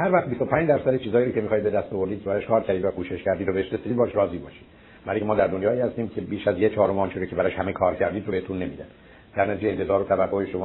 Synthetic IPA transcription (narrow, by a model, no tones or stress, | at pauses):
hæɾvæχt̪̚bist̪o̞pʰæːnd͡ʒd̪æɾsæd̪et͡ʃʰiːzɒːjiːɾocʰe̞mixɒːjd̪be̞d̪æst̪ɒvo̞ɾd̪id̪̥̚kʰeæɾɒʃkʰɒːɾcʲʰæɾd̪id̪vækʰuːʃeʃcæɾd̪iːd̪obeeʃɾest̪id̪bɒːʃɾɒːziːbɒ̰ːʃi̥d̪̥ | mæɾiŋkʰʲemɒːd̪æɾd̪onjɒːiːhæst̪iːmcʰe̞biːʃæzjet͡ʃʰɒːɾomɒːnt͡ʃʰiɾocʰebæɾɒʃhæmekʰɒːɾcʰæɾd̪iːd̪ɾoehet̪ʰunːe̞mḭːd̪æn | d̪æɾnæt̪id͡ʒeent̪e̞zɒːɾot̪ʰævæɡːoheʃomɒː